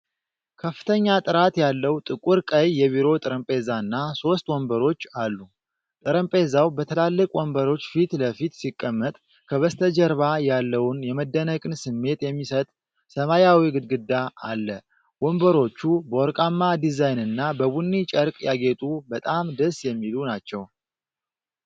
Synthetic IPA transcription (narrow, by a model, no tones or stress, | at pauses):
kʰəfːɨ̥t̪ʰəɲːat̪ʼɨɾat̪jalːəwt̪ʼɨkʼuɾkʼəjːɛβiɾo̞t̪ʼɨɾəmpʼezaɨnːaso̞st̪wɔmbəɾo̞t͡ʃːalːu | t̪ʼɨɾəmpʼezawbət̪ʰəlalːɨkʼwɔmbəɾo̞t͡ʃːfit̪ləfit̪sikʼːəmːət̪ʼ | kʰəβəst̪ʰəd͡ʒəɾβajalːəwʊnjɛməd̪ːənəkʼɨnsɨmːe̞t̪jɛmːisət̪ʼ | səmajawiɡɨd̪̚ɡɨd̪ːaa̰lːə | wɔmbəɾo̞t͡ʃːubəwɔɾkʼamːad̪izajnɨnːabəβunːit͡ʃʼəɾkʼjaɡe̞t̪ʼubət̪ʼamd̪əsjɛmːilunat͡ʃːɛw